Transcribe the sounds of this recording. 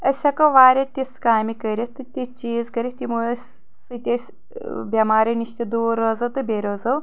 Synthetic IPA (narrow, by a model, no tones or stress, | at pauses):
ɐsʲɐkɐʋaːɾʲɐt̪ʲiskaːjmikəɾʲit̪ɨt̪ʲit͡ʃiːzkɐɾit̪ʲimujʲ | sɨt̪ʲɐsʲ | bʲɐmaːɾʲiniʃt̪id̪uːɾɐːzɐwt̪ɨbʲeɾoːzɐw